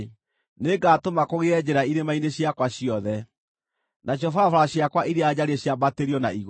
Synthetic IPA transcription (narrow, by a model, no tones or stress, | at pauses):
neɡaːtomakoɣeɛd͡ʑɛɾaiɾemaineɕjakwaɕiɔðɛ | nʔaɕ̬jɔfafaɾaɕijakwaʔiɾead͡ʑaɾieɕjabateɾiɔnaiɣ